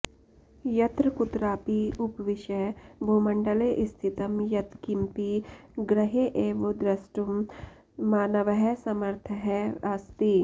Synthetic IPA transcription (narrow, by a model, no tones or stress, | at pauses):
jɐt̪ɾkut̪ɾaːpiupʋiʃɐjbʱumɐɳɖɐleʔist̪ʰit̪ɐmjɐt̪kimpiɡɾɐɦeʔeːʋod̪ɾɐsʈumː | aːnɐʋɐɦɛsɐmɐɾt̪ʰəɦɛɐst̪i